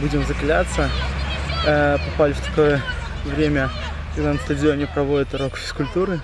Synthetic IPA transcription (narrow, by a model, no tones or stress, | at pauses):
bud͡zʲɪmzəklʲat̪sə | pɐpalʲɪft̪ɐ̥ko̞jə | vɾʲemʲə | kɐɡd̪anəst̪əd͡zʲɪo̞nʲɪpɾɐvo̞dʲɪt̪ɾo̞kfʲɪ̥skʊlʲt̪uɾɨ